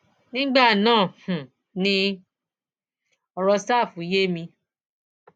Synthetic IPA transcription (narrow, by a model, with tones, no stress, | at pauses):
nĩ˦ɡ͡ba˦˨nãː˦˨h̩˨ | nĩ˧ | ɔ˧ɾɔ˧sa˦˨fũ˨˦je˦mĩ˧